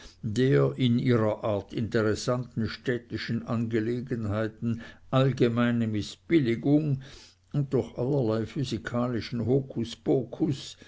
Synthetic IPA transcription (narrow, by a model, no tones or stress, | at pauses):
deːɐʔɪniːʁɐʔaɐtʰɪntəʁɛsantn̩ʃtɛtɪʃənʔanɡeleːɡənɦaɪtn̩ʔalɡemaɪnəmɪsb̥ɪlɪɡʊŋ | ʊnt̚d̥ʊɐxalɐlaɪfyzikʰaːlɪʃn̩hoːkʰusb̥okʰus